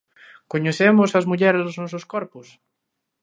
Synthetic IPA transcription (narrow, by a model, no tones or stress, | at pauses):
koɲeθemʊsɐzmuʎɛɾzððʊznɔsʊskɔɾpʊs